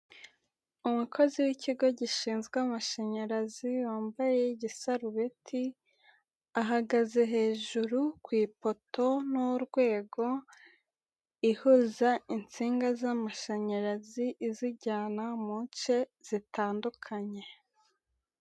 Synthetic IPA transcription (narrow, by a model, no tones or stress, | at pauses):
umukʰo̞ziwiciɡo̞ɟiʃiːnzɡwamaʃeɲaɾaziwaːmbajeɟisaɾuβetʰi | aɦaɡaze̞ɦe̞ːʒuɾukwiːpo̞to̞nuɾɡwe̞ːɡo̞ | ihuzaint͡siːŋɡazamaʃaɲaɾaziʔːziɟaːnamunt͡ʃe̞z̥itʰaːndukʰaɲe̞